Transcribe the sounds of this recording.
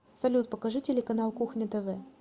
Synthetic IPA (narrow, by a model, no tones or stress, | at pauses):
sɐlʲut̪̚pəkɐʐɨtʲɪlʲɪkɐnalˠkuxnʲət̪əvɛ